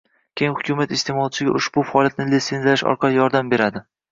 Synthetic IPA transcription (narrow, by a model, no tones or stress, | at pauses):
kʲʰejɪŋhʊkʲʊmat̪ɪst̪ʰe̞mɒlˠt͡ʃʰɪɡʲa̰ʔʊʃbʊfaɒlˠjat̪̚nɪlit̪se̞nzaɪʃɒ̰ɾqʰɑlɪjɒɾd̪ambe̞ɾad̪ɪ